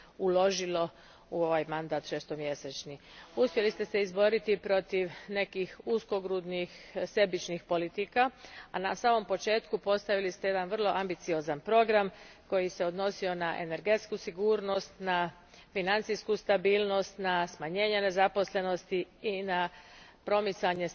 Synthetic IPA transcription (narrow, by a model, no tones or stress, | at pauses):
ulo̞ʒilo̞ | uo̞ʋajmand̪aːt̪ʃeːst̪omje̞set͡ʃniuspʲje̞list̪e̞se̞izbo̞ɾit̪ipɾo̞t̪iʋne̞kixusko̞ɡɾud̪nixse̞bit͡ʃnixpo̞lit̪ikaanasaːmo̞mpo̞t͡ʃe̞ːt̪kupo̞st̪aʋilist̪eje̞d̪anʋr̩lˠo̞ʔambit̪sio̞zanpɾo̞ɡɾam | ko̞jise̞o̞d̪no̞sio̞naʔe̞̰ne̞ɾɡe̞t̪skusiɡuːɾno̞st̪na | finant̪sijskust̪abiːlˠno̞st̪nasmaɲe̞ːɲene̞zapo̞sle̞no̞st̪iinapɾo̞mit̪saɲe̞